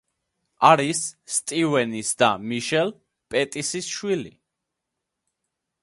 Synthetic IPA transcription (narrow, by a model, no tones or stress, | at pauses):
aɾisːt̪ʼivɛnisd̪amiʃɛl | pʼɛt̪ʼisisʃwili